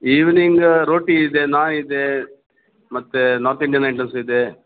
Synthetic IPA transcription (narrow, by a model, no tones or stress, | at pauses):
iːʋniŋɡɾoːʈiːd̪enaːnid̪e | mɐt̪ːenɔːɾt̪iɳɖiɐnɐjɳʈɐnsid̪e